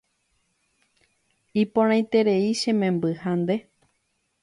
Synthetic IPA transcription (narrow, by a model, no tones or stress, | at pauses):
ipõɾ̃ãj̃t̪e̞ɾe̞iʃẽ̞mẽ̞mbɨhand̪e̞